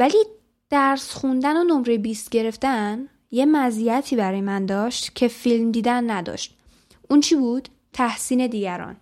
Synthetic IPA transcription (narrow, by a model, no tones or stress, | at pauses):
væli | d̪̥æɾsxund̪ænonomɾebiːst̪ɟe̞ɾe̞ft̪æn | je̞mæziæt̪ʰiːbæɾɒːjemænd̪ɒːʃt̪cʰe̞filmd̪iːd̪ænːæd̪ɒ̰ʃt̪̚ | ʔunt͡ʃʰiːbuːd̪̥ | t̪ʰæhsiːne̞d̪iːɟæɾɒ̰n